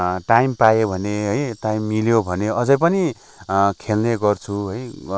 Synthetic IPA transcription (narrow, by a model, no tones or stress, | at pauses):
ʈajmpajobʱʌneɦʌjʈajmːiljobʱʌneʌd͡zʌjpʌni | kʰelneɡʌrt͡sʰuɦʌj